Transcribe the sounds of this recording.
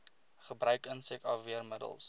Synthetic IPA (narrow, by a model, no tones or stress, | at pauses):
χəbrœɥkənsɛkɑfviərmədə̰lˠs